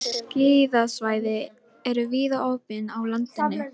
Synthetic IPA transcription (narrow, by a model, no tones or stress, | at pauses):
ciːðasvaːjðɪ | ɛɾʏviːðaʔoːwpɪnawlant̪ɪnːɪ